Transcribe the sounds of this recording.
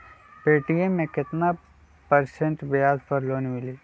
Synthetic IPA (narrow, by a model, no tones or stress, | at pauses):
peːʈijemːẽkɪt̪na | pɐɾsẽɳʈbɪjaːzpɐɾloːnmɪliː